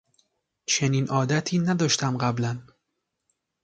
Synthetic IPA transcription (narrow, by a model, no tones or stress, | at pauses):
t͡ʃʰe̞niːnʔɒːd̪æt̪ʰiːnæd̪ɒːʃt̪æmɢæblæn